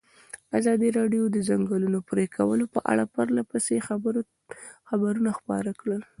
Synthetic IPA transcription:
azɑd̪iɾɑɖjod̪əzaŋɡəlunopɾekʰawəlopəʔa̰ɽapəɾlapəsex | xabaɾunaxpɑ̰ɾakɽəl

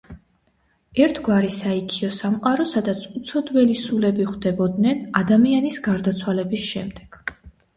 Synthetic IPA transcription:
ɛɾt̪ʰɡwaɾisaikʰiɔsamqʼaɾɔsad̪at̪sʰut̪sʰɔd̪wɛlisulɛbiχd̪ɛbɔd̪nɛnad̪amianisɡaɾd̪at̪sʰwalɛbisʃɛmd̪ɛɡ̥

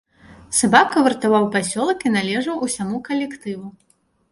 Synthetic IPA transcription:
sabakɐvɨrt̪avawpasʲɔlˠɐkinalʲɛʐɐwʔusʲamukɐlʲɛkt̪ɨvu

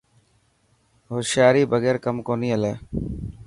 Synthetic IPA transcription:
ɦoːsjaːɾiːbəɡeːɾkəmkoːniːəleː

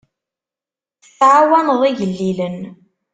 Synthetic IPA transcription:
θʕawænəðˤiʝəlːilən

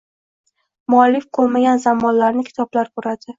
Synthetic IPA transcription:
mʊalːɪfqʰolˠmaɡʲanzamːɒnlaɾnɪkʲʰɪ̥t̪ʰɒblaɾboɾad̪ɪ

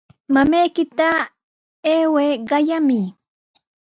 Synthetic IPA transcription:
mamajkɪt̪a | eːweːɢɑjamɪ

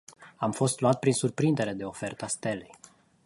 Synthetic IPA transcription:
amfo̞st̪luat̪̚pɾinsurpɾind̪e̞ɾe̞d̪e̞o̞fe̞rt̪əast̪e̞lej

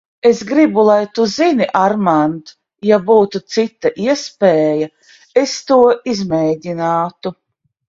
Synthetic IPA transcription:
esɡɾibulˠajt̪uziniʔaɾmant̪ | jabuːt̪ut̪sit̪ːaʔiɛspɛːjɐ | est̪uɔizmɛːdʲinaːt̪u

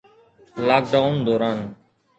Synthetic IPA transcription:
laːk̚ɖaʊnd̪oːɾaːn

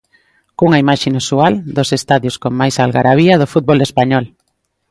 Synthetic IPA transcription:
kuŋaimaʃenusuald̪osest̪aðjoskoŋmajsalɣaɾaβiað̞ofut̪̚βolespaɲɔl

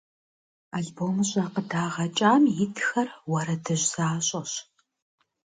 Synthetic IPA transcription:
aːɮboːmɨɕʼɐqədaːʁɐt͡ʃʼaːmjɪtʰxɐrwɐɾɐdɨʑz̥aːɕʼɐɕ

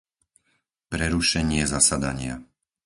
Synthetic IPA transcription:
pɾɛɾuʃɛɲɪɛzasad̪aɲɪa̰

